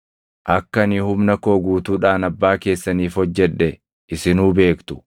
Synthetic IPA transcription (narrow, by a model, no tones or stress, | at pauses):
ʔɐkːɐnɪhʊmnɐko̞ːɡuːt̪uːᶑaːnɐbːaːke̞ːsːɐniːfhɔd͡ʒːɛᶑːɛ | ʔɪsɪnuːbe̞ːkt̪ʊ̥